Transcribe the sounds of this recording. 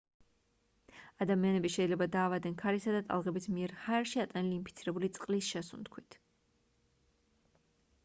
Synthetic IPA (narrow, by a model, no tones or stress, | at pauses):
ad̪amianɛbiʃɛid̪lɛbad̪aːvad̪ɛnkʰaɾisad̪at̪ʼa̰lˠʁɛbismiɛɾhaɛɾʃiat̪ʼaniliːnpʰit̪sʰiɾɛbulit̪sʼqʼlisʃɛsṵnt̪kʰwit̪ʰ